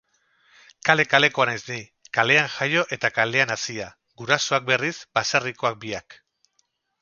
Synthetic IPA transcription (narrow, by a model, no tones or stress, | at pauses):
kale̞kale̞ko̞anajzni | kale̞aŋxajo̞ʔe̞t̪akale̞anasia | ɡuɾaso̞ak̚be̞risbasariko̞ak̚biak